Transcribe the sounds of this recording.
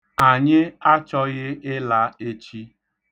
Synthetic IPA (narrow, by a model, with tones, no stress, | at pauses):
a˨ɲɪ˦a˦t͡ʃɔ˦ɣɪ˦ɪ˦la˨e˦t͡ʃi˦